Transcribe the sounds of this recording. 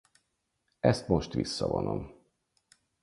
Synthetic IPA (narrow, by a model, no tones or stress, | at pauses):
ɛst̪mo̞ʃt̪ʋisːɒvonom